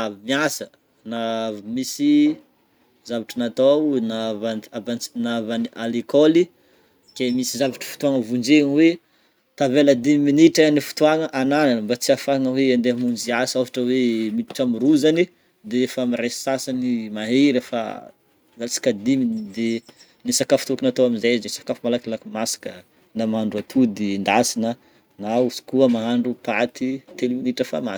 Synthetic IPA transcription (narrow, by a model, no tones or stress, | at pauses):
amiasə | navmisi | zavaʈ͡ʂənat̪awnavanavannavanialikoli | kemisizavaʈ͡ʂə̥fu̥t̪uaŋəvund͡ʒeŋwe | t̪aveləd̪imiminiʈ͡ʂanifu̥t̪uaŋəʔanananəmbat͡siafaŋəweand̪emund͡ʒiasafaʈ͡ʂəwemit̪i̥ʈ͡ʂamuɾuzani | d̪eefamiressasanimaɦeɾəfa̰ | zat͡si̥kʲad̪imid̪e | nisakafut̪ukinat̪oaminzajznisḁkafumalakilakimasḁkə | namaaɳɖ͡ʐuat̪ʰud̪ind̪asinə | nauzi̥kuəmaɦaɳɖ͡ʐupat̪it̪elminiʈ͡ʂəfa̰ma̰